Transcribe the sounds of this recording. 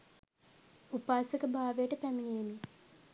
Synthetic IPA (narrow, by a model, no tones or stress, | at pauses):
upaːsəkəbʱaːʋejəʈəpæmiŋeːni